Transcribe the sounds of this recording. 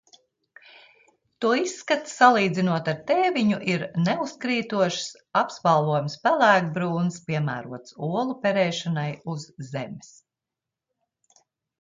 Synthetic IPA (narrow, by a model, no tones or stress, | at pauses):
t̪uɔisːkat̪salˠiːd̪zinuɔt̪aɾt̪ɛːvʲiɲuʔiɾnɛuskɾiːt̪uɔʃs | apsvalˠvuɔjumspælˠæːk̚bɾuːnspʲiɛmæ̰ːɾuɔt̪suɔlˠupʲɛɾɛːʃanajuzːemɪ̥s